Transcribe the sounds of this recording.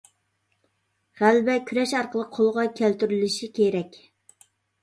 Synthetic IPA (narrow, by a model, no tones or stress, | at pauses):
ʁælbɛkʲʰyɾɛʃɑɾqəlˠəq̚qʰːolˠʁɑkʲʰælt̪yɾylɪʃikʲʰeɾɛkʲ